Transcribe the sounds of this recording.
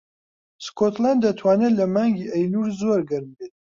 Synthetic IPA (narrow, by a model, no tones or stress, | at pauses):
skot̪land̪ːɐt̪ʰwaːnelɐmaːŋɡiʔɐjluːɾzoɾɡɐɾmbeːt̪̚